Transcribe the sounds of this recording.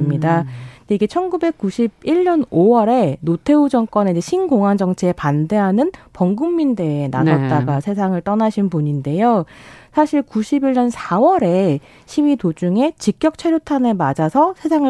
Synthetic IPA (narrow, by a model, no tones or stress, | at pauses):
mɲidandeiɡe̞t͡ɕʰʌnɡube̞k̚k͈uɕʰib̚iɭɲʌnowʌɾe̞notʰe̞ud͡ʑʌŋk͈ʌned͡ʑeɕʰinɡoŋand͡ʑʌŋt͡ɕʰiepande̞ɦanɯnpʌŋɡumːinde̞ːna̰sʰʌt̚t͈aɡasʰe̞sʰaŋɯɭt͈ʌnaɕʰinpuɲinde̞josʰaɕʰiɭkuɕʰibiɭɲʌnsʰawʌɾe̞ | ɕʰiwitod͡ʑuŋe̞t͡ɕik͈jʌk̚t͡ɕʰeɾjotʰanemad͡ʑasʰʌsʰe̞sʰaŋɯ